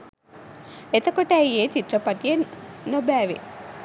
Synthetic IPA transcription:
et̪ɐkoʈæieːt͡ʃit̪rɾɐpɐʈijenːobæːʋḛ

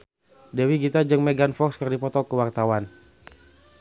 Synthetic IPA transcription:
dɛwiɡit̪ad͡ʒəŋmɛɡanfɔkskərdipɔt̪ɔkəwart̪awan

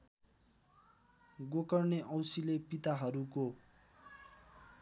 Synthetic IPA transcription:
ɡokʌrneʔʌwsilepit̪aɦʌɾuko

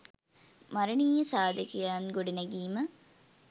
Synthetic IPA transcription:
maɾəniːjəsaːd̪əkijaːnɡoɖinɐɡiːmə

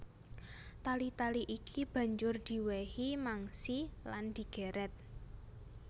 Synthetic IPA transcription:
t̪alit̪aliʔikʰib̥ä̤ɲd͡ʒʊrd̪̥i̤wehimaŋsiland̪̥i̤ɡ̥e̤ɾɛt̪̚

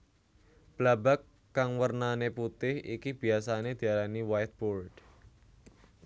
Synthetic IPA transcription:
b̥labakː | aŋwərnaneput̪ɪhḭkib̥i̤asaned̪̥i̤alaniwajt̪̚bɔrd̥

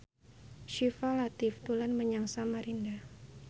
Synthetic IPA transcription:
ʃifalat̪ɪft̪ulanməɲaŋsamaɾinda

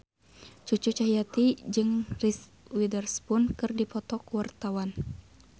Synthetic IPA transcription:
t͡ʃut͡ʃut͡ʃaɦijat̪id͡ʒɨŋris | widərspʊnkɨrdipɔt̪ɔkwart̪awan

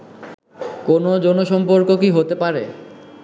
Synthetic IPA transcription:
konod͡ʑɔnoʃɔmpoɾkokiɦot̪epaɾe

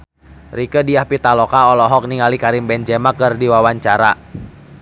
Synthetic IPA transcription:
rikədiahpit̪alɔkaɔlɔɦɔk̚niŋalikaɾimbɛnd͡ʒɛmakɨrdiwawaɲt͡ʃaɾa

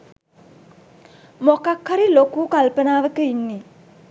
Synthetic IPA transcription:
mɔkakʰːaɾilokukalpənaʋəkəjnːi

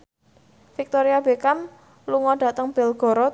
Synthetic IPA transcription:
fik̚t̪oɾiabekam | luŋɔɖ̥ä̤t̪əŋb̥ɛ̤lɡ̥ɔ̤ɾɔ

